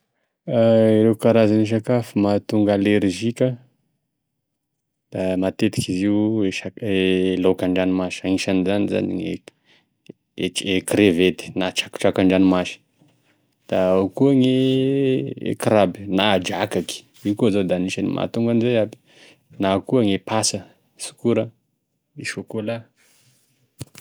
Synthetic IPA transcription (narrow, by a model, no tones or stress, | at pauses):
aiɾekaɾazaniʃ̬akafimat̪uŋɡaleɾʒikʲə | d̪̥amat̪et̪i̥kiziweʃaelokaɳɖ͡ʐanimaʃiaiʃanizaniza̰nḭŋe | eekɾevet̪i̥nat͡ʃakʈ͡ʂakaɳɖ͡ʐanimaʃi̥ | d̪̥aakuaŋe | kɾabi̥naːd͡ʒakaki̥ | iwkoazad̪aniʃanḭmʔa̰t̪uŋɡanizeabi̥ | nakuaŋepasə | su̥kuɾə | iʃokola